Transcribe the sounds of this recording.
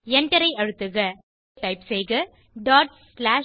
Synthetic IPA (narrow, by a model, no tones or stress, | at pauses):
ɛnɖɐɾɐɪɐɻɯt̪ːɯɣɐ | ʈɐɪpsɛjɣɐ | ɖaːʈsslaː